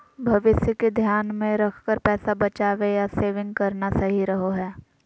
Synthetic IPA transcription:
bʱɐʋɪsjəked̪ʱjaːnmẽɾɐkʰkəɾpɛːsabɐt͡ʃaːʋejaseːʋɪ̃ŋɡ̚kɐɾnasɐɦiɾɐɦoɦɛː

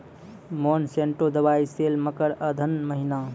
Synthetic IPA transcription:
monsẽɳʈod̪əbaːiseːlməkəɾəd̪ʱənməɦina

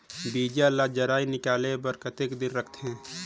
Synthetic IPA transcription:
biːd͡ʒalad͡ʒəɾaːinɪkaːlebəɾkət̪ekd̪ɪnɾəkʰt̪eɦɛ̃ː

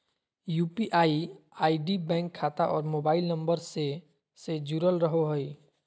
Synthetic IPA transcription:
jupiʔaːiaːiɖibɛ̃ŋkʰːat̪aʔɔːɾmobaːɪlnəmbəɾse | sed͡ʒuɾəlɾəɦoɦəj

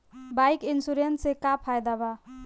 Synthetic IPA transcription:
bajkinsuɾensekapʰajd̪aba

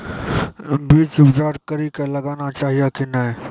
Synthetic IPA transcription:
biːt͡ʃʊbd͡ʒaːɾkɐɾikelɐɡaːnat͡ʃaːɦijakinaɦɛː

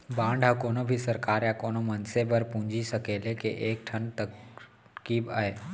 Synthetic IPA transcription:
bãːɳɖɦakoːnobʱisɐɾkaːɾjakoːnomɐnsebəɾpũːɲd͡ʒʱisɐkeːlekḛʔeːk̚ʈʰənt̪ə | kiːba̰ːɦeː

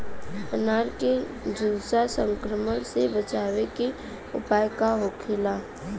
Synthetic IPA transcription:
ənaːɾke | d͡ʒʱudsasə̃ŋkɾəməɽ̃sebət͡ʃaːweki | ʊ̰paːjkaɦokʰɪla

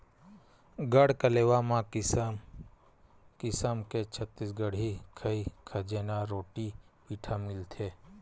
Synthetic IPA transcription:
ɡəɽkəleːʋamã | kɪsəmket͡ʃʰət̪ːisɡəɽ̤ikʰəikʰəd͡ʒeːnaɾoːʈipiːʈʰamɪlt̪ʰeː

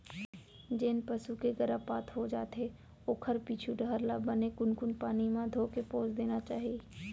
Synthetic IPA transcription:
d͡ʒɪnpəsukeɡəɾəpaːt̪ʰɦod͡ʒaːt̪ɦe | oːkʰəɾpit͡ʃʰuɖʱəəɾlabənekʊnkʊnpaːnimãd̪ʱoːkepoːd͡ʒd̪eːnat͡ʃaːɦieː

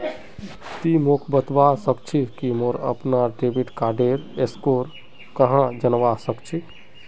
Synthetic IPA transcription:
t̪imokʰbət̪ʋasəkt͡ʃʰikimoɾə̰pnaɖebiʈkaɾɖeɾeskoɾ | kəɦãd͡ʒənʋasəkt͡ʃʰi

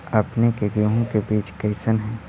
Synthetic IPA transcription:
ɐpnekeɡoɦõkebiːt͡ʃkɐɪsənɦɛ̃ː

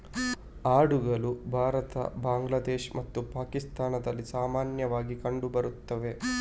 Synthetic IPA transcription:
aːɽuɡɐlubʱaːɾɐt̪ɐ̰baːŋɡlad̪eːʃmɐt̪ːupaːkist̪aːnɐd̪ɐlːisaːmaːnjɐʋaːɡikɐɳɖubɐɾut̪ːɐʋe̞

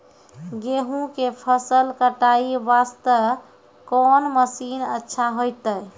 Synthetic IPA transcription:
ɡeɦũkepʰəsəlkəʈaibast̪ə | kɔnməsinətːʃʰaɦojt̪əj

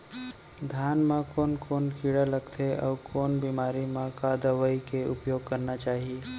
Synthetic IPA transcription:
d̪ʱjaːnmãkoːnkoːnkiːɽaləɡt̪ʰeʔɔ̰ːkoːnbiːmaːɾimãkad̪əʋəikeʊpjoːɡkəɾnat͡ʃaːɦie

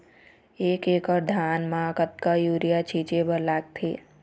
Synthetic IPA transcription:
eːkeːkəɾd̪ʱaːnmãkət̪̚kajuːɾijat͡ʃʰiːt͡ʃebəɾlaːɡ̚t̪ʰḛ

